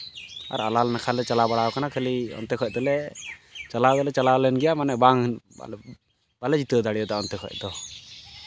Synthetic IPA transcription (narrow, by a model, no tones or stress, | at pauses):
a̰ɾalalnakʰalɛt͡ʃalabaɽaɔkanakʰeliɔ̰nt̪ɛkʰɔc̚ˀt̪ɔlɛ | t͡ʃalad̪ɔlɛt͡ʃalalɛnɡɛjamanɛʔbaŋ̰ | b̥alɛd͡ʒit̪ɔd̪aɽijɔt̪aʔɔnt̪ɛkʰɔ̰c̚ˀtd̪ɔ